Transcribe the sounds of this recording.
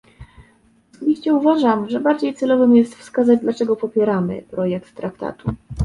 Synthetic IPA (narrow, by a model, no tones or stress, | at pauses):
ɔsɔbʲiɕt͡ɕɛuvaʐamʐɛbaɾd͡ʑejt̪sɛlɔvɘmjɛst̪fskazad͡ʑd̪lat͡ʂɛɡɔpɔpʲjɛɾamɘ̰pɾɔjɛkt̪ːɾakt̪a̰t̪u